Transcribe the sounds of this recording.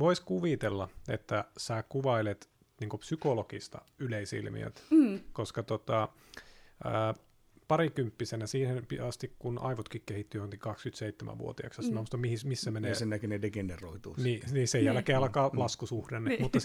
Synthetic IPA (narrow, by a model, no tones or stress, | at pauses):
ʋoiskuʋit̪elːɑḛt̪ːæsæːkuʋɑilet̪ | niːŋkopsykolokist̪ɑ̰ | yleisḭlmḭø̰t̪koskɑt̪ot̪ɑ | əː | pɑɾikympːisenæsiːhenpiɑst̪ikkunʔɑ̰iʋot̪kikkehit̪ːyjohoŋkikɑkskyt̪seit̪ːemʔæ̰ʋʋṵo̰t̪iɑ̰ksjɑsnɑust̪ɑmmihismisːæmeneːsennækynedeɡeneroit̪ṵːniːniːsejjælkeːɑlkɑːlɑskusuhdenːmut̪ːɑ